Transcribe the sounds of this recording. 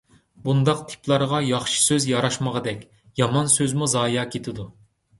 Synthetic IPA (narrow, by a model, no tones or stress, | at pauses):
bund̪ɑqt̪ʰɪ̥plˠɑɾʁɑjɑχʃi̥søzjɑɾɑʃmɑʁɑd̪ɛkʲ | jɑmɑnsøzmuzɑːjɑkʲʰet̪ʰɪd̪u